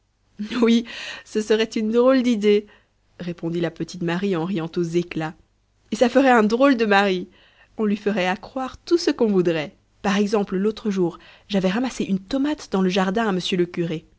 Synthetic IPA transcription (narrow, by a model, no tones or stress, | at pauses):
wisəsəʁɛt̪ynd̪ʁold̪id̪e | ʁepɔ̃d̪ilapət̪it̪maʁiɑ̃ʁijɑ̃t̪ozekla | esafəʁɛɛ̃d̪ʁold̪əmaʁi | ɔ̃lɥifəʁɛakχwaʁt̪usəkɔ̃vud̪ʁɛ | paʁɛɡzɑ̃pllot̪χəʒuːʁ | ʒavɛʁamaseʔynt̪ɔmat̪d̪ɑ̃ləʒaʁd̪ɛ̃aməsjøləkʲyʁe